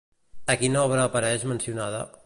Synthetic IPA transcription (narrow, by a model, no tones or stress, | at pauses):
əkinaɔβɾəːpəɾɛʒmənsiunaðə̰